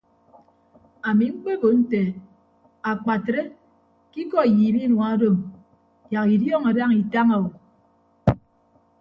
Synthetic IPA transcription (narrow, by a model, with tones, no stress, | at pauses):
a˨mi˨ŋ͡m̩˦k͡pe˦bo˨n̩˦te˨ | a˨k͡pa˨tɾe˦ | ki˦kɔ˦˨jiː˨bi˦nwa˨˦do˦m | ja˨ki˨djɔ˦ŋa˨da˦ŋi˨ta˦ŋa˨o˨